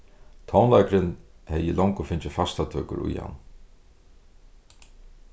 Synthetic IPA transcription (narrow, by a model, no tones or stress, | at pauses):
t̪ʰɔwnlajkɾɪnhɛjɪlɔwŋkʊfɪɲt͡ʃɪfast̪at̪ʰœːkʊ̰ɾṵjha̰n